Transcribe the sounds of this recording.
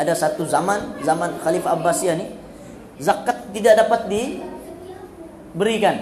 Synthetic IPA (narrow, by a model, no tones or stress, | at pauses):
adasat̪uzamanzamanxalifaːbːasiani | zakːat̪ːidaʔdapat̪̚di | bəɾikan